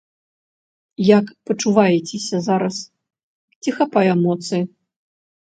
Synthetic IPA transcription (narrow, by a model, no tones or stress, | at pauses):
jakpɐt͡ʂuvajɛt͡sʲesʲɐzaɾɐs | t͡sʲixapajɛmɔt̪sɨji